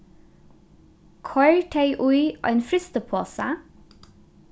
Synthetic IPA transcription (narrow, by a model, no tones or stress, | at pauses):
kʰɑʏʈʰeɪʔʊʏʔæ̰ɪnfɾʏst̪əpʰoːsə̰